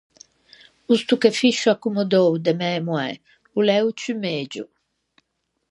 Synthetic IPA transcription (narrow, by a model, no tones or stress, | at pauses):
ust̪ukefiʃuakːumɔd̪owd̪emɛmuɛ̰ | ulɛwt͡ʃymeːd͡ʒṵ